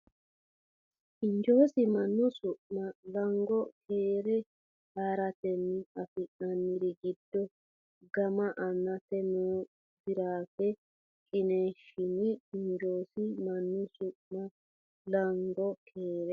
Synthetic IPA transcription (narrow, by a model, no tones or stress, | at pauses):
ɪnd͡ʒo̞ːsɪmɐnːɔsʊʔmɐlɐŋɡɔkʰeːɾɛ | haːɾɐt̪ɛnːɪɐfɪʔɐnːɪɾɪɡɪd̪̥ːɔ | ɡɐmɐʔɐnːɐt̪ɛnɔ | bɪɾaːkɛ | kʼɪneːʃːɪnɪɪnd͡ʒo̞ːsɪmɐnːʊsʊʔmɐ | lɐŋɡɔkʰeːɾɛ